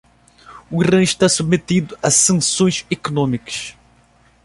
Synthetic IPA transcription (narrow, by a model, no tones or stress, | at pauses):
uirɐ̃iʃt̪asubmet̪id̪ʊɐsɐ̃sõj̃zekonõmikɐ̥ʃ